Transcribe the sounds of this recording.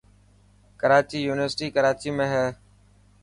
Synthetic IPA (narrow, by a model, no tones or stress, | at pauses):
kəɾaːt͡ʃiːjuːnɪʋəɾsʈiːkəɾaːt͡ʃiːmẽːɦɛː